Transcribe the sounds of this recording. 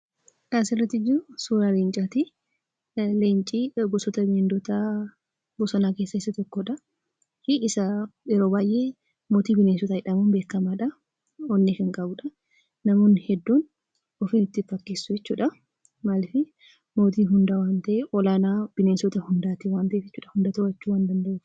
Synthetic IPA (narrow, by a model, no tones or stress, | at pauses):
kaːsɪrːɐt̪ːɪd͡ʒɪɾʊsuːɾaleːnt͡ʃʼat̪ɪ | leːnt͡ʃʼiːɡɔsɔt̪ɐbeːnd̪ɔt̪a | bɔsɔnaːkeːsːɐɪsːɐt̪ɔkːɔᶑɐ | hɪʔɪsɐjɛɾoːbaːjʔe̞ː | moːt̪iːbɪneːsɔt̪ɐɪᶑɐmuːnbe̞ːkːɐmaːᶑɐ | ɔnːɛkɐŋkʼɐbʊᶑɐ | nɐmoːnhɛd̪ːoːn | ɔfɪnɪt̪ːɪfɐkːeːsːʊd͡ʒɛt͡ʃːṵːᶑɐ | maːlɪfɪ | mo̞ːt̪iːɦʊnd̪aːwaːnt̪ɐʔeʔɔlaːnaːb̥ɪnesɔt̪ɐhʊnd̪aːt̪ɪwaːnt̪ɐʔeɛt͡ʃːuːᶑɐhʊnd̪ɐːt̪ʊwɐt͡ʃːuːwaːnd̪ɐnd̪ɐʔeː